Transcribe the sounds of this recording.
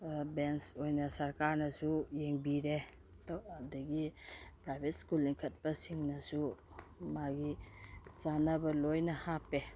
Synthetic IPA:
bensojnɐsɐɾkaɾnɐsujeŋbiɾe | dɔadɐɡipɾajbʱet̚skulːiŋkʰɐt̚pɐsiŋnɐsu | maɡizanɐbɐlojnɐhape

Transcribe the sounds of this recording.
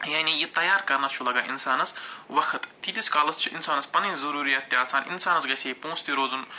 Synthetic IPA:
jaːnijit̪ɐjaːɾkɐɾnɐt͡ʃʰulɐɡaːʔḭnsaːnɐsʋɐkʰət̪t̪id̪iskalɐst͡ʃʰiʔinsaːnɐspɐnĩnzɐɾuːɾijaːt̪ːjaːlt͡sʰaːnʔḭnsaːnɐsɡɐseipõːst̪iɾoːzun

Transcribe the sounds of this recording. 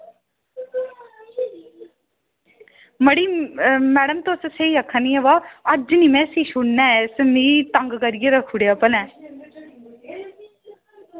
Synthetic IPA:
məɽiːmɛːɽəmt̪osseiɐkʰːaniɛʋaːəd͡ʒnimɛ̃siːʃuɽnɛːsmiːt̪ɐŋɡkəɾijeɾəkʰːuɽejapənɛː

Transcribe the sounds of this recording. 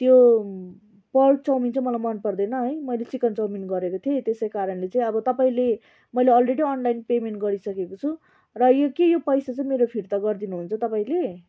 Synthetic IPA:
t̪jo | pʌrk̚t͡sʌwmint͡sʰʌmʌlajmʌnpʌrd̪ʌjnʌɦʌjmʌjlet͡sikʌnt͡sʌwminɡʌɾekot̪ʰiet̪esʌjkaɾʌnlet͡sãĩʌbʌt̪ʌpaĩle | mʌjleʌlreɽiʌnlajnpemeɳʈ̚ɡʌɾisʌkekot͡sʰu | rʌjokejopʌjsat͡sʌĩmeɾopʰiɾt̪aɡʌrd̪inuɦunt͡sʰʌt̪ʌpaĩle

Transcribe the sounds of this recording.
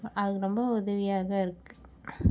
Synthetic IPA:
ʔɐðɯɾɔmbɐʊðɐʋɪjaːɣɐɪɾɯkːɯ̥

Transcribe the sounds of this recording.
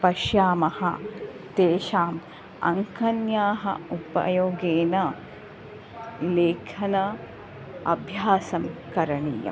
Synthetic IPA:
pɐʃjaːmɐhɐ̰ | t̪eːʃaːm | ɐ̰ŋkʰɐnjaːɦɐ̰upɐ̰joːɡeːnɐ | leːkʰɐnɐ | ɐbʱjaːsɐmkɐɾɐɳḭːjɐ̰m

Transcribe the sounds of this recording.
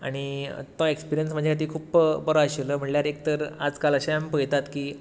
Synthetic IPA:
a̰ɽ̃it̪ɔ̃ekspiɾijənsm̤əd͡ʑʱakat̪iːkʰuːpbəɾoaɕeləm̤əɳljaɾek̚t̪əɾa̰d͡zkaləɕaampəjt̪at̪kiː

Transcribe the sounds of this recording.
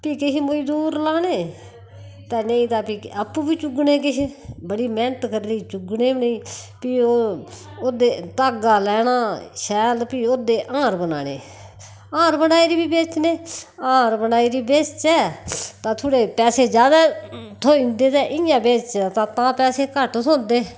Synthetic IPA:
piːkɪɦiːmod͡ʒd̪uːɾlaːneː | t̪ɛːneĩːt̪aːpiəpːuːbiːt͡ʃʊɡneːk̬ɪɦibəɽiːmɛ̃ːnət̪kəɾɾiːt͡ʃʊɡneːbneiːpiːoː | od̪eːt̪aːɡaːlɛːnaːʃɛːlpiːoːd̪eːʔãːɾbəna̰ːnḛː | ãːɾbənaːiːɾiːbiːbeːt͡ʃneːãːɾbənaːiːɾiːbeːt͡ʃt͡ʃɛːt̪ãːt̪ʰoːɽeːpɛːseːd͡ʒjaːd̪aːt̪ʰoːĩnd̪eːt̪ɛːʔɪjãːbeːt͡ʃt͡ʃaːt̪ãːt̪ãːpɛːseːkəʈsõːnd̪eː

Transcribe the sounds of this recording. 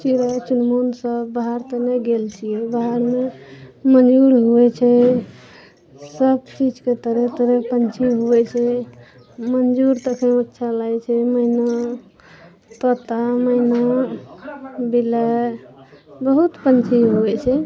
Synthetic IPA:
t͡ʃiɾat͡ʃunmonsəbbaɦaɾt̪ənɛɡelt͡ʃʰijɛbaɦaɾmemənd͡ʒuɾɦuɛt͡ʃʰɛ | səbt͡ʃid͡ʒket̪əɾet̪əɾəpənt͡ʃʰiɦuɛt͡ʃʰɛ | mənd͡ʒuɾt̪əkʰəətːʃʰalajt͡ʃʰɛməina | t̪ət̪aməjna | bila | bəɦut̪pənt͡ʃʰiɦuɛt͡ʃʰɛ

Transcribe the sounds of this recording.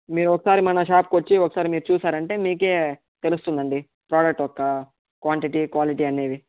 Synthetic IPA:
miːɾuɔkːɐsaːɾimɐnɐʃaːp̚kʋɐt͡ʃːiɔkːɐ̥saːɾimiːɾut͡ʃuːsaːɾɐɳʈe̞ːmiːke̞ː | t̪e̞lust̪und̪ɐɳɖi | pɾaːɖɐk̚ʈɔkːɐ | kʋaːɳʈiʈikʋaːliʈiːɐne̞ːd̪i

